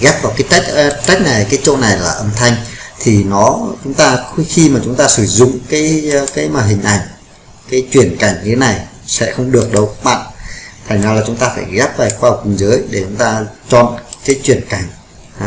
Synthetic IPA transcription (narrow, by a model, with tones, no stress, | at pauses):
ɣɛ˦˥p̚vaː˨˩wkaː˨˦jt͡ɕa˦˥t͡ɕa˦˥jk̟̚na˨˩jkaː˨˦jt͡ɕo̰˧˨na˨˩jlaː˨˩ʔə˧mt̪ʰa˧jŋ̟t̪ʰi˨˩nɔ˨˦t͡ɕʊ˨˦ŋ͡mt̪aː˧xi˧maː˨˩t͡ɕʊ˨˦ŋ͡mt̪aː˧sɨ˧˩zʊ̰˧˨ŋ͡mkaː˨˦jkaː˨˦jmaː˨˩ɦï˨˩ŋ̟ʔa˧˩jŋ̟ | kaː˨˦jt͡ɕwi˨˩ənka˧˩jŋ̟ɲɨ˧t̪ʰe˨˦na˨˩j | sɛ̰˧˥xə˧wŋ͡mɗɨ˨˩ək̚ɗə˨˦wkaː˦˥k̚ɓa̰ː˧˨nt̪ʰa˨˩ŋzaː˨˧wlaː˨˩t͡ɕʊ˨˦ŋ͡mt̪aː˧faː˧˩jɣɛ˦˥p̚vaː˨˩jxwaː˧˨˩kwi˧˩ŋzəː˨˦jɗe˧˩t͡ɕʊ˨˦ŋ͡mt̪aː˧t͡ɕɔ̰˧˨nkaː˨˦jt͡ɕwi˧˩ənka˧˩jŋ̟˨